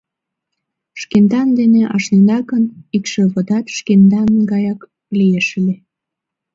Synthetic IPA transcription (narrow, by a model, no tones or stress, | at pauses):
ʃkend̪ɑnd̪eneʔɑ̰ʃnend̪ɑkənikʃĕβod̪ɑt̪ʃkend̪ɑnɡɑjɑk | lieʃəle